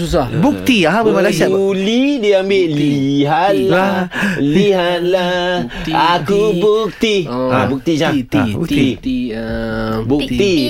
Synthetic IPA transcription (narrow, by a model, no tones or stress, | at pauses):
sus̬abuk̚t̪iammalasaulidiambɪʔliɦat̪̚laliɦat̪̚lah | akubuk̚t̪iabuk̚t̪id͡ʒaii | buk̚t̪i